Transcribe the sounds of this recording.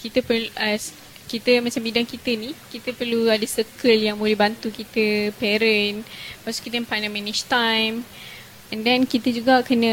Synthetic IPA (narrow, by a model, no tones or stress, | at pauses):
kit̪əpələs | kit̪əmat͡ʃambidaŋkit̪ənikit̪əpərluadəsəkəljaŋbolɛbant̪ukit̪əpɛɾənpasu̥kit̪ənpanaminiʃt̪ajm | ʔɛ̃ndɛnkit̪əd͡ʒuɡaʔkənə̃